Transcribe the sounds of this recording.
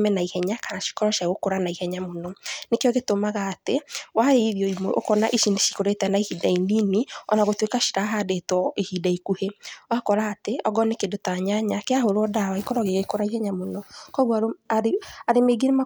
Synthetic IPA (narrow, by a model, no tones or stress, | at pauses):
mɛnaihɛɲakanaʃi̥kɔɾɔʃaɣokoɾanaihɛɲamonɔnekejɔɣetomaɣaːtewaeiðjɔimoʔo̰kɔnaʔiʃineʃi̥koɾetɛnaihidaininiɔ̰naɣotwekaʃi̥ɾaɦadetɔʔihidaikuheɔakɔɾaːteɔɡɔnekedotaɲaɲakeaɦoɾɔdawaikɔɾɔɣeɣekoɾaihɛɲamonɔkɔɣwaɾaaɾemeɡeɾema